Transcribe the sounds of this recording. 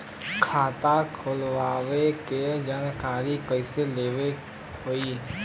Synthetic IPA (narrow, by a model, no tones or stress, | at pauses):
kʰaːt̪akʰoːlwaːweked͡ʒaːnkaːɾikəɪseleːʋe | oːiː